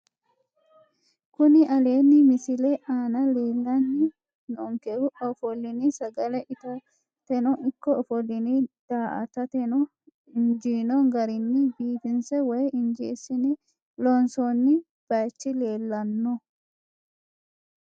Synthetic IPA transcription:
kʊnɪʔɐleːnːɪmɪsɪlɛʔaːnɐleːlːɐnːɪ | nɔɔŋkɛɾʊɔfɔlːɪnisɐɡɐlɛʔɪt̪ɐ | t̪ɛnɔʔɪkːɔɔfɔlːɪnid̪̥aːʔɐ̰t̪ɐt̪ɛnɔ | ɪnd͡ʒiːnɔŋɡɐɾɪnːɪbiːt̪ɪnsɛwɔjɪnd͡ʒḛːsɪnɪ | lɔnsonːɪ | b̥ɐjt͡ʃːɪle̞ːlːɐnːɔ

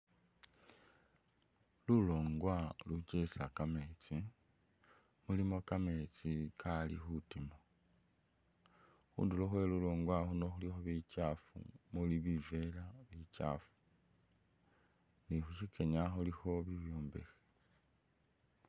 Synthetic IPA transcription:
luloːŋɡwalut͡ʃesakame̞t͡si | mulimo̞kame̞t͡sikalḭxutimo | xṵːndiloxweluloːŋɡwaxuno̞xulixo̞βit͡ʃaːfṵmuliβivelaβit͡ʃa̰ːfu̥ | nixuʃikʰeɲaxulixo̞βiβjoːmbe̞̰xe̥

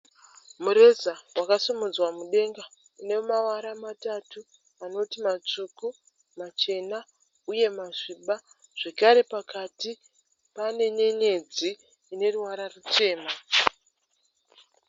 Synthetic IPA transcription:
muɾe̞zawakasumud͡zwamuɗe̞ŋɡa | ine̞mawaɾamatatu | ano̞timat͡ʂuku | mat͡ʃe̞na | uje̞maʐiɓa | ʐ̥e̞kaɾe̞pakati | pane̞ɲe̞ɲe̞d͡ziː | ne̞ruwaɾarut͡ʃe̞ːma

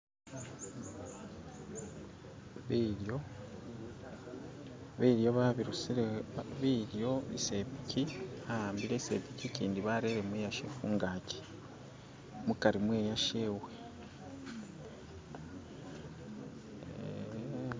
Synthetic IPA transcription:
βiɾjo | βiːɾjo̞βaβiɾusiβiːɾjo̞βḭse̞pi̥ciaaːmbiɾese̞piciciːndiβaːɾe̞ɾe̞mwejaʃefuːŋɡaːci̥ | mukaɾimwe̞ːjaʃeːwe | ḛ

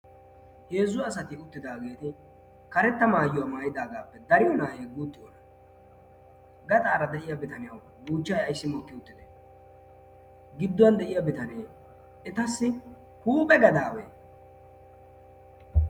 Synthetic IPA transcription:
heːzːʊɐs̬ɐt̪ɪʊt̪ːɪd̪aːɡe̞ːt̪ɪ | kɐɾɛt̪ːɐmaːjʊwɐmaːjɪd̪aːɡaːpːɛd̪ɐɾɪjɔnaːheːɡuːt̪ːɪjɔ̰nɐ | ɡɐt̪ʼaːɾɐd̪ɛʔɪjɐbɪt̪ɐnɪjɐw | buːt͡ʃːajɐjsːɪmɔkːɪʊt̪ːɪd̪e | ɡɪd̪ːɔwɐnd̪ɛʔɪjɐbɪt̪ɐnɪjɐw | ɛt̪ɐsːɪ | huːpʼɛɡɐd̪aːwḛː

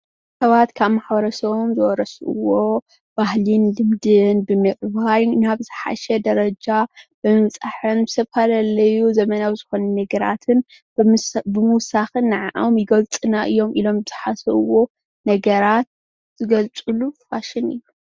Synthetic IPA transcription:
sɐβat̪kʰaβmaħbɐɾɐsɐβomzɨwɔɾɐsʔɨ̰wo̞ | b̥ahlinlɨmd̪ɨnbɨmɨʔʼβajnaβzɨħa̰ʃɛd̪ɐɾɐd͡ʒab̥ɨmɨβt͡sʼaħɨnbɨsʰɐfalɐlːɐjuzɐmɐnawzɨxo̞nɐnɐɡɐɾa̰t̪ʰɨn | bbɨmuwsaxɨnːɨʕaʔamjɪɡɐlt͡sʼɨnaʔɨjːo̞mʔilo̞mbɨz̥ɨħasɐβɨwo̞ | nɐɡɐɾat̪̚ | z̥ɨɡɐlt͡sʼɨlufaʃɪnɨ̰jːu

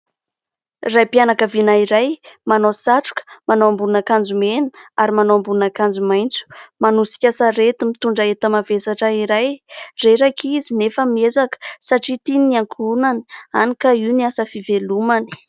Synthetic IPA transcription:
rajpianakavinaiɾajmanosaʈ͡ʂu̥kə̥manoambunakand͡zumenu̥aɾimanoambuunakand͡zumajnt͡su̥manusi̥kʲasaɾet̪imit̪uɳɖ͡ʐaet̪əmavesaʈ͡ʂəiɾajreɾakʰizinefəmiezakə̥saʈ͡ʂit̪iniaŋkʰunanianikaiwniasəfivelumani̥

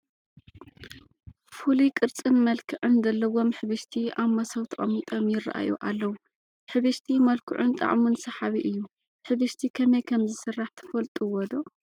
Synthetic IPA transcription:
fulikʼɨɾt͡sʼɨnmɐlkʰɨʕɨnzɐlːɐwo̞mħɨβɨʃt̪ʰiaβmɐsɐwt̪ʰɨʔʼɐmit̪ʼɐmjɪɾa̰ʔa̰jʔuʔalːɐwu | ħɨβɨʃt̪ʰimɐlkʰɨʕunt̪ʼa̰ʔʼmunsɐħaβiʔɨjːu | ħɨβɨʃt̪ʰikʰɐmɐjkʰɐmzɨsɨrːaħt̪ʰɐ̥fɐlt̪ʼuwɔd̪o

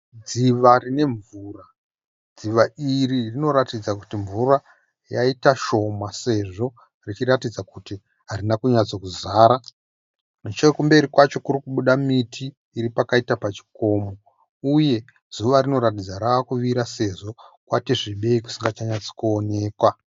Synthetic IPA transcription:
d͡ziʋarine̞ɱvuːra | d͡ziʋaʔiririno̞ɾatid͡zakutiɱvura | jaitaʃo̞mase̞ʐo̞ | rit͡ʃiɾatid͡zakuti | ɦaɾinakuɲat͡so̞kuzaːɾa | mut͡ʃekumbe̞ɾikwat͡ʃo̞kurikuɓuɗamitʰiː | ɾipakaitapat͡ʃi̥ko̞ːmo̞ | uje̞ | z̥uʋarino̞ɾat̬id͡zaɾaakuʋiɾase̞ʐo̞kwatiʐiɓe̞iku̥siŋɡat͡ʃaɲat͡so̥kuone̞ːkwa

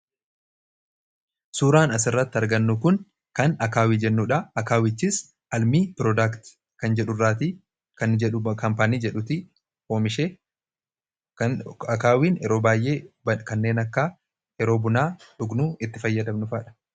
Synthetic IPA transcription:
suːɾaːnɐs̬ɪrːɐt̪ːɪɐɾɡɐnːukʊn | kɐnɐkaːwiːd͡ʒɛnːuːᶑɐɐkaːwɪt͡ʃːis | ʔɐlmiːpɾɔd̪akt̪ | kɐnd͡ʒɛᶑʊrːaːt̪̬i | kɐnɛᶑkɐmpaːniːd͡ʒɛᶑʊt̪ɪ | oːmɪʃeː | ɐkaːwiːnɛɾo̞ːbaːjʔe̞ːɐkɐnːe̞ːnɐkːa | ɛɾoːbʊnaːᶑʊɡnuːɪt̪ːɪfɐjːɐd̪ɐmnʊfaːᶑɐ̥

